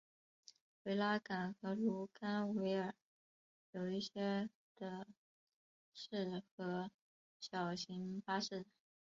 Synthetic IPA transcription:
we˧˥ɪla˥ka˨˩nxɤ˧˥lu˧˥ka˥nwe˧˥ɪə˞˨˩˦ | jo˨˩ʊi˥˩ɕjɛ˥ | d̪̥ə˧ | ʂɻ̩˥˩xɤ˧˥ | ɕjɑ˨˩ʊɕi˧˥ŋfa˥ʂɻ̩˥˩

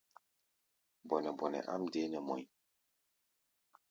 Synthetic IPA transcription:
bɔ˨nɛ˨bɔ˨nɛ̰˨ʔa̰˦mde˦nɛ˨mɔ̰˨j

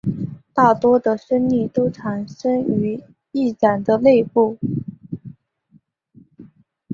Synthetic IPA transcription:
t̪a˥˩t̪wɔ˥d̪ə˨ʂə˥nli˥˩t̪o˥ʊʈ͡ʂʰa˨˩nʂə˥ŋy˧˥ | i˥˩ʈ͡ʂa˨˩nd̪ə˦le˥˧ɪpu˥˩

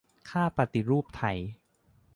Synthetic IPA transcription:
kʰaː˥˩pa˨˧t̪i˧˨ɾuː˥˩p̚t̪ʰa˧˩j

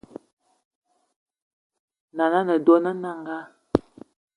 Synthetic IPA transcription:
na˨na˦nə˨do˦nə˦na˨ŋɡa˦

